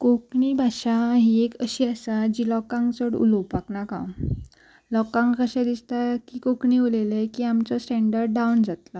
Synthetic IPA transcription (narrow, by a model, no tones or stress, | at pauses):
kokɳiːbʱaɕaɦiekəɕiːəsad͡ʑilɔkãŋkt͡səɽṵlopaknakã̰ | lɔkãŋkkəɕɛ̃d̪ist̪akiːkokɳiolelekiːamt͡sɔsʈɛɳɖəɾɖɖawnd͡zat̪la